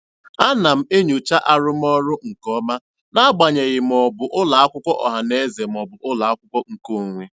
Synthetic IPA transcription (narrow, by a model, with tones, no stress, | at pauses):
a˦na˨m̩˦e˦ɲu˨t͡ʃa˦ʔa˦ɾʊ˦m˦ɔ˦ɾʊ˦ŋ̩˨kɔ˦ma˦ | na˦ɡ͡ba˨ɲe˨ɣɪ˨m̩˨ɔ˨bʊ˨ʔʊ˦la˨a˦kʷʊ˦kʷɔ˦ʔɔ̰˨ɦa˨ne˦ze˨m̩˨ɔ˨bʊ˨ʔʊ˦la˨a˦kʷʊ˦kʷɔ˦ŋ̩˨ko˦˨ŋʷe˦